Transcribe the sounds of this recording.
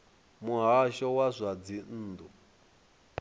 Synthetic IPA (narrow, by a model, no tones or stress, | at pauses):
muɦaʃɔwazʷad͡zin̩ːd̪u